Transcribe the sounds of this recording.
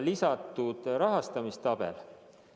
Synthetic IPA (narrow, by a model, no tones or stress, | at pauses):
lisɑt̪ːˑud̪̥ɾɑɦɑst̪ɑmist̪ɑb̥ḛl